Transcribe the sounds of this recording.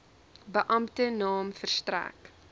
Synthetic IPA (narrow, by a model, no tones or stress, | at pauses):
bəʔɐmtənɑːmfərstræ̰k